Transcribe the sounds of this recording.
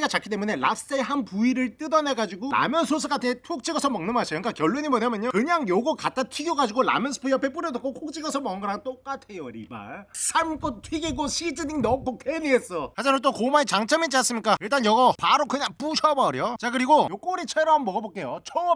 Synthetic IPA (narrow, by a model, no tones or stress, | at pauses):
iɡat͡ɕakʰit͈emune̞la̰s͈e̞ɦanpuiɾɯɭt͈ɯdʌne̞ɡad͡ʑiɡola̰mjʌnsʰos̬ʰɯk͈atʰɯetʰok̚t͡ɕ͈iɡʌsʰʌmʌŋnɯmɦaɕʰionɲik͈akjʌɭːweɲimʌɲamjʌɲokɯɲaŋjoɡʌkat̚t͈atʰwiɡjoɡad͡ʑiɡola̰mjʌnsʰɯ̥pʰuijapʰe̞p͈uɾjʌdak͈okʰok̚t͡ɕ͈iɡʌsʰʌmʌŋɯŋɡʌɾaŋt͈ok͈atʰejoɾḭba̰sʰaɭmk͈ot̚tʰiɡiɡoɕʰid͡ʑɯniŋnʌk͈okʰenies͈ʌad͡ʑimant̬͈okomait͡ɕaŋt͡ɕʰʌmit͡ɕ͈ias͈ɯmɲik͈aiɭt̬͈anjʌɡʌpaɾokɯɲaŋp͈uɕʰʌbaɾjot͡ɕakɯɾiɡojok͈oɾit͡ɕʰeɾʌmːʌɣabok͈e̞jot͡ɕʌŋʌ